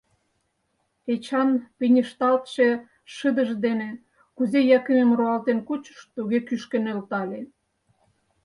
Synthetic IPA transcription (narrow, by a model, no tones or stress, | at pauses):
et͡ɕɑnpinʲəʃt̪ɑlt̪ʃe | ʃəd̪əʒd̪ene | kuzejɑkəmemroɑlt̪enkut͡ɕə̥ʃt̪uɣekyʃkenølt̪ɑlʲe